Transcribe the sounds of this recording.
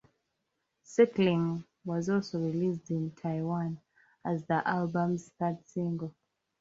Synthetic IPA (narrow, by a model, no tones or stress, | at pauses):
sɛklĩŋ | wɔzɔlˠsoɹilisdĩntʰaɪwãn | azðiʔalbə̃mzθadsĩŋɡəl